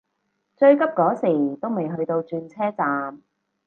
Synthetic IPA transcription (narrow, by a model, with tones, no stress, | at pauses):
t͡ʃɵ˧ɥkɐ˥p̚kɔː˨˥siː˨˩t̪o˥wme˨jɦɵ˧ɥt̪o˧wt͡ʃyː˧nt͡sʰɛː˥t͡saː˨˧m